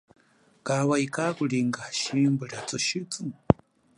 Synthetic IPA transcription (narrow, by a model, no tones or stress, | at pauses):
kawaikʼakuɺiŋɡaʃimbɨɺat͡sʼɔʃit͡si